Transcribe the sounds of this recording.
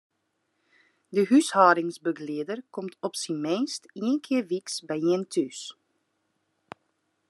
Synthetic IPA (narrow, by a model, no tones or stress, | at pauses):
dəɦyshaːɾɪŋsbəɡliədərkɔmtʰɔpsimeːnstiənkʰɪərʋiksbɛjiəntʰys